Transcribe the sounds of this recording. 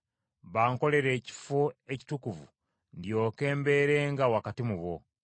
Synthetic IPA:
βaːŋko̞le̞ɾe̞ːci̥foe̞ci̥tukuvṵ | ndjo̞ːke̞ːmbe̞ːɾe̞ːŋɡawakatimuβo̞

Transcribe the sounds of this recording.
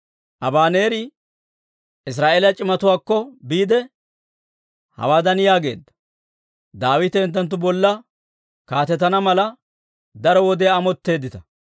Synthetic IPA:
ʔɐbaːne̞ːɾɪ | ɪs̬ɾaːʔeːlɐt͡ʃʼɪmɐt̪ʊwaːkːɔbiːd̪ɛ | hɐ̰waːd̪ɐnjaːɡe̞̰ːd̪ːɐ̥ | d̪aːwɪt̪ɛːnt̪̬ːɐnt̪̬ːʊbɔlːɐ | kaːt̪ɛt̪ɐnɐmɐlɐ | d̪ɐɾɔwɔd̪ɛaːmɔt̪ːe̞ːd̪ːɪt̪ɐ

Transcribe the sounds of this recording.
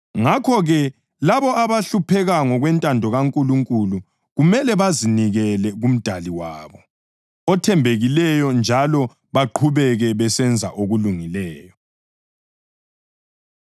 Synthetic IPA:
ŋakʰɔɣɛ | laβɔaβaɬupʰɛɣaŋɔɣwɛntʼandʱɔɣaŋkʼuluŋkʼulu | ɣumɛlɛβaziniɣɛlɛɣum̩d̥ʱaliwaːβɔ | ɔtʰɛmbʱeɣilɛjɔnd͡ʒʱalɔ | βaǃʰuβɛɣɛβɛsɛnd͡zʱa̰ʔoɣuluŋilɛːjɔ

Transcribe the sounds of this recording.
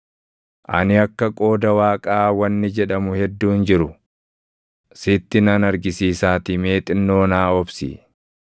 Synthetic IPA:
ʔɐ̰nɪɐkːɐkʼo̞ːd̪ɐwaːkʼaːwɐnːɪd͡ʒɛᶑɐmʊhɛd̪ːuːnd͡ʒɪɾʊ | sɪt̪ːɪnɐnɐɾɡɪsiːsaːt̪ɪmeːt̪ʼɪnːo̞ːnaːɔbsḭː

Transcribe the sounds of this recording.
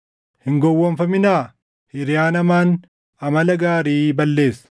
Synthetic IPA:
hɪŋɡɔwːɔnfɐmɪnaː | hɪɾɪjaːnɐmaːn | ɐmɐlɐɡaːɾiːbɐlːe̞ːsɐ̥

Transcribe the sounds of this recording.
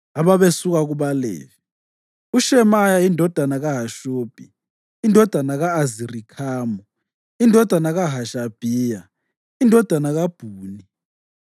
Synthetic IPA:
aβaβesuk̬ak̬uɓalḛːvi | uʃɛmajaindʱɔd̥ʱanaɣ̬aɦaʃoːb̥ʱḭ | indʱɔd̥ʱanaɣaːzirikʰaːmɔ | indʱɔd̥ʱanaɣaɦaʃab̥ʱiːja | indʱɔd̥ʱanaɣab̥ʱuːni

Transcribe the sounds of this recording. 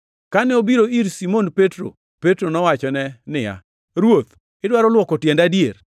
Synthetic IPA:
kanɛobiɾoiɾsimonpetɾo̰ | petɾonɔwat͡ʃɔnɛnɪja̰ | ɾwot̪ | ɪdwaɾɔlwɔkɔtjɛndadjeɾ

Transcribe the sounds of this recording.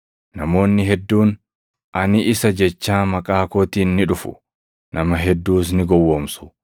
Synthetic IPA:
nɐmo̞ːnːɪɦɛd̪ːuːn | ʔɐnɪʔɪsɐd͡ʒɛt͡ʃːaːmɐkʼaːko̞ːt̪iːnːɪᶑʊfʊ̥̰ | nʔɐmɐɦɛd̪ːuːs̬nɪɡɔwːoːmsʊ̥

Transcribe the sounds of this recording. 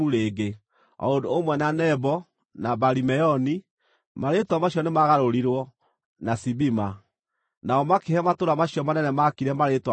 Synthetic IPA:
uɾeːɡe | ɔ̰odoomwɛnanɛbɔ | nabaɾimɛɔni | maɾetwamaɕjɔnemaɣaɾoɾiɾwɔ | nasibima | naɔmakehɛmatoɾamaɕjɔmanɛnɛmakiɾɛmaɾetwa

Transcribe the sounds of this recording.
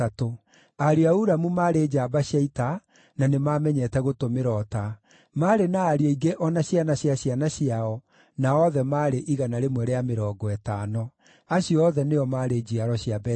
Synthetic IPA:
ato | aɾiauɾamumaːɾeːd͡ʑaːbaɕjaita | nanemamɛɲɛtɛɣotomeɾɔta | maːɾenaːɾiɔiɡeʔɔnaɕjanaɕjaɕjanaɕiaɔ | naɔðɛmaɾeʔiɣanaɾemwɛɾeameɾɔːɡɔɛtaːnɔ | aɕiɔðɛneɔmaːɾed͡ʑiaɾɔɕjabɛ

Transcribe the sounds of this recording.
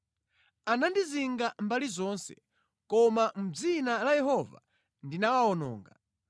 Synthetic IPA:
anandiziŋɡambalizɔnsɛ̰ | kɔmam̩b͡ʐinalajɛɦɔva̰ | ndinawaɔnɔ̰ːŋɡa

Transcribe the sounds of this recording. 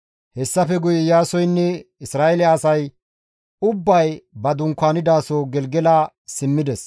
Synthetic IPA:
hɛsːɐfɛɡʊjɛjaːsɔjnːɛɪsɾaːʔɛlɛɐsɐj | ʊbːɐjbɐd̪ʊŋkːaːnɪd̪aːsoːɡɛlɡɛlaː | sɪmːɪd̪ɛs

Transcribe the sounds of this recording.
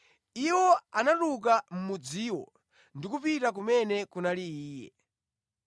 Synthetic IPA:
iwɔanatuk̬am̩mud͡ziːwɔ̰ | ndikupitak̬umɛnɛkunaliiːjɛ̰

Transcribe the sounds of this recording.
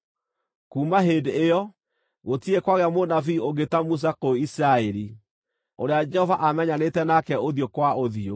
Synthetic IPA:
kuːmaɦedeːɔ | ɣotiekwaɣeamonafiːoɣetamus̬akoisɾaɛɾi | oɾead͡ʒɛhɔvaʔamɛɲanetɛnakɛoðjokwaoðio

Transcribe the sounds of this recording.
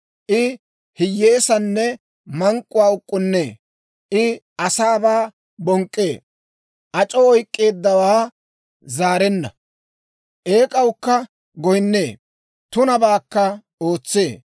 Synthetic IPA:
ʔɪ | hɪjːe̞ːsɐnːɛ | mɐŋkʼːʊwaːʊkʼːʊnːeː | ʔɪʔɐsaːbaː | bɔŋkʼːe̞ː | ʔɐt͡ʃʼɔɔjkʼːe̞ːd̪ːɐwaː | zaːɾɛnːɐ̰ | ʔe̞ːkʼɐwkːɐ | ɡɔjɪnːe̞ː | t̪ʊnɐbaːkːɐ | o̞ːt͡sːe̞ː

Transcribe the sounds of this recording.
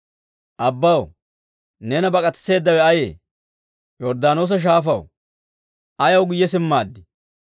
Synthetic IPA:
ʔɐbːɐw | nɛnɐbɐkʼɐt̪ːse̞ːd̪ːɐwɛɐjḛː | jɔɾd̪aːno̞ːs̬ɐʃ̬aːfɐw | ʔɐjɐwɡʊjːɛs̬ɪmːaːd̪ːɪ

